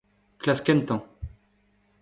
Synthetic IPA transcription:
klaskɛnt̪ɔ̃

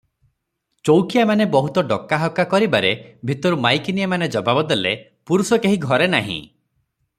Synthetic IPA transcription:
t͡ʃowkijamanebɔɦut̪ɔɖɔkːaɦɔkːakɔɾibaɾebʱit̪ɔɾumajkinijamaned͡ʒɔbabɔd̪ele | puɾusɔkeɦiɡʱɔɾena̰ɦḭ̃

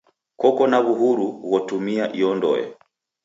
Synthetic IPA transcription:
kɔkɔnaβuɦuɾuɣɔtumiaʔiɔndɔ̰jɔ̰

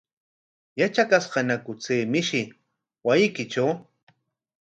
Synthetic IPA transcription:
jat͡ʃakasɢɑnakʊt͡seːmɪʃɪ | wajɪkɪt͡ʃaw

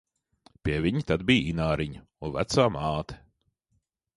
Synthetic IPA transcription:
pʲiɛvʲiɲit̪ad̪bijinaːɾiɲɐ | unvæ̰t̪saːmaːt̪ʰɛ̥

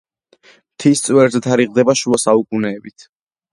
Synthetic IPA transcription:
mt̪ʰist̪sʼwɛɾzɛt̪ʰaɾiʁd̪ɛbaʃuasaukʼunɛːbit̪ʰ

